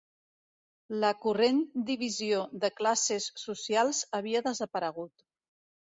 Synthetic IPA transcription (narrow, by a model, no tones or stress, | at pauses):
ləkurend̪iβ̞izioðəklasesːusialˠzəβ̞iəðəzəpəɾəɣ̞ut̪